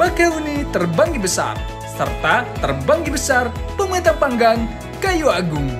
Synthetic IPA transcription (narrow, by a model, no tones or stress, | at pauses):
bakaunit̪ərbaŋdibəsa̰r | sə̰rt̪at̪ərbaŋdibəsarpəmet̪apaŋɡaŋ | kajuaɡʊŋ